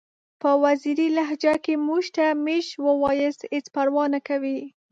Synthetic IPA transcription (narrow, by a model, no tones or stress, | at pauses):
pəwaziɾilaɦd͡ʒakemuʃt̪ameʃwəwɑjəset͡spaɾwɑnakawi